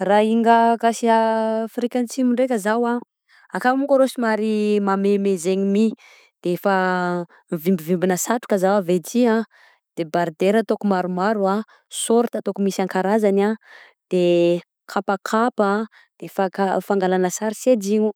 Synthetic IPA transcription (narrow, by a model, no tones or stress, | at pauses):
raiŋɡakasiafiɾikʲant͡simiɳɖ͡ʐekʲəzawa | akamukəɾosimaɾimamemezeɲimi | d̪̥eefa | vimbivimbinəsaʈ͡ʂu̥kəzawavet͡sia | d̪̥ebaɾd̪eɾat̪okumaɾumaɾua | soɾt̪at̪okumisaŋkaɾazana | d̪̥e | kʰapakʰapa | d̪̥efakafaŋɡalanəsaɾised͡ʒiɲu